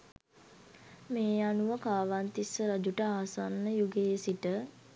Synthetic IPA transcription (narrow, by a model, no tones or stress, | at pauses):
meːanuʋəkaːʋant̪isəɾad͡ʒuʈəaːsanːəjuɡeːsiʈə